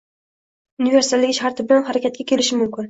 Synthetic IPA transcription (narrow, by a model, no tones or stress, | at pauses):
ʊniveɾsɪ̥t̪ʰalːɪɡʲɪʃhaɾt̪ʰɪbɪnɪnhaɾakʲʰat̪̚kʲakʲʰe̞lɪʃɪmʊmkʲɪn